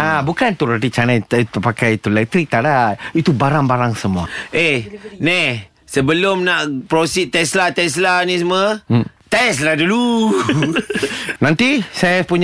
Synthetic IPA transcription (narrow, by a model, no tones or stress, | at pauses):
abukant̪uɾat̪it͡ʃanapakajit̪ulɛk̚t̪ɾik̚t̪aɾat̪̚it̪ubaɾaŋbaɾaŋsəmuaenɛ | səbəlomnaʔpɾosit̪ːɛslat̪ɛs̬lanĩsmət̪ɛs̬ladulu | nãnt̪isajapuɲ